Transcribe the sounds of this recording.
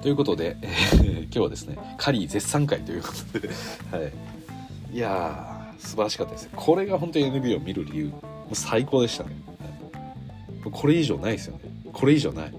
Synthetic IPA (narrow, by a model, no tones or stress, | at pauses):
t̪o̞jɯ̟ko̞t̪o̞d̪e̞eːkʲo̞ːβad̪e̞sɨ̥ne̞̰ | kʰaɾʲiːze̞sːãŋkait̪o̞jɯ̟ko̥t̪od̪̥e̞hai | ia | sɨbaɾaɕi̥kat̪ːad̪esɨnekʰo̞ɾe̞ɡaɦõ̞nt̪o̞ɲienɯ̟bʲiːo̞mʲiɾɯ̟ɾʲijɯ̟ː | moːsaiko̞ːd̪e̞ɕi̥t̪ane̞hai | mokʰo̞ɾe̞iʑo̞̰ːnaid̪esɨjo̞̰ne̞ | kʰo̞ɾe̞iʑo̞̰ːna̰i